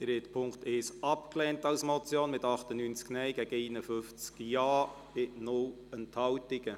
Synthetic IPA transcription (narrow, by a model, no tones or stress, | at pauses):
ɪɾɛtpʰʊŋkteːsɑpklɛːntɑwsmɔt͡sjoːnmɪtɑχtənyːnt͡sknɛjɡɛɡ̥əɛːnəfʏft͡skjɑː | b̥ɪnʊl | ənthɑwtɪɡə